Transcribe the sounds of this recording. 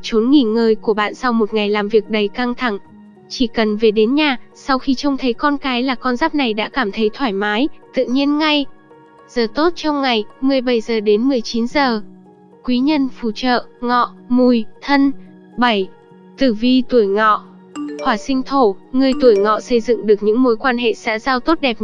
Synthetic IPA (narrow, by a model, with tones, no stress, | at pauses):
t͡ɕo˨˦nŋi˧˩ŋəː˧jku˧˩əɓa̰ː˧˨nsa˧wmo˨˩t̚ŋa˨˩jlaː˨˩mvi˨˩ək̚ɗə˨˩jka˧ŋt̪ʰa˧˩ŋ | t͡ɕi˧˩kə˨˩nve˨˩ɗe˨˦nɲaː˨˩sa˧wxi˧t͡ɕə˧wŋ͡mt̪ʰə˨˦jkɔ˧nkaː˨˦jlaː˨˩kɔ˧nzaː˦˥p̚na˨˩jɗa̰ː˧˥kaː˧˩mt̪ʰə˨˦jt̪ʰwaː˧˩jmaː˨˦jt̪ɨ̰˧˨ɲi˧ənŋa˧j | z̥əː˨˩t̪o˦˥t̚t͡ɕɔ˧wŋ͡mŋa˨˩jmɨ˨˩əjɓə˧˩jzəː˨˩ɗe˨˦nmɨ˨˩əjt͡ɕi˨˦nzəː˨˩ | kwi˨˦ɲə˧nfṵ˧˩t͡ɕə̰ː˧˨ʔŋɔ̰˧˨mu˧˩jt̪ʰə˧n | ɓa˧˩j | t̪ɨ˧˩vi˧t̪u˧˩əjŋɔ̰˧˨ | hwaː˧˩sï˧ŋ̟t̪ʰo˧˩ŋɨ˧əjt̪u˧˩əjŋɔ̰˧˨sə˧jzɨ̰˧˨ŋɗɨ˨˩ək̚ɲɨ̰˧˥ŋmo˨˦jkwaː˧nɦḛ˧˨sɛ̰˧˥zaː˧wt̪o˦˥t̚ɗɛ˨˩p̚